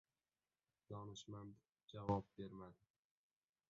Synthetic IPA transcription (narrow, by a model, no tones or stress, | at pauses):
d̪̥ɒnɪʃmand̪ | d͡ʒavɒp̚be̞ɾmad̪ɪ